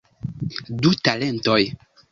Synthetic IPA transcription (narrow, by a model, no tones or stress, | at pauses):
dutalentoj